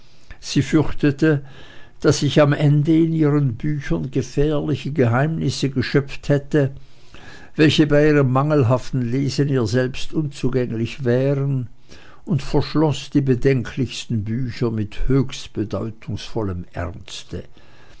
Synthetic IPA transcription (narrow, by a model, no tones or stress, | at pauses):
z̥iːfʏʁçtətə | d̥asɪçamʔɛndəɪniːʁənbyːçɐnɡəfɛːɐlɪçəɡəɦaɪmnɪsəɡəʃœp͡fthɛtə | vɛlçəbaɪiːʁ̞əmːaŋəl̩ɦaftn̩leːzəniːɐzɛlpstʔʊnt͡suːɡɛŋlɪçv̥ɛːʁən | ʊntfɛɐʃlɔsd̥iːbədɛŋkʰlɪçstn̩byːçɐmɪthøːçstb̥ədɔʏtʰʊŋsfɔləmʔɛ̰ʁnstə